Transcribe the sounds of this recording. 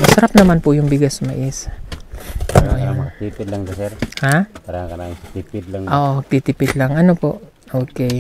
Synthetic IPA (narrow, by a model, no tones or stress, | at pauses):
mɐsɐɾap̚nɐmanpʊjʊŋbɪɡɐsmɐʔɪs | ɐnojant̪ipɪd̪laŋdasɛɾhapaɾakɐnaɪŋsit̪ipɪd̪laŋʔoʔoɡ̚t̪it̪ɪpɪd̪laŋɐnopoʔ | ʔoːkɛ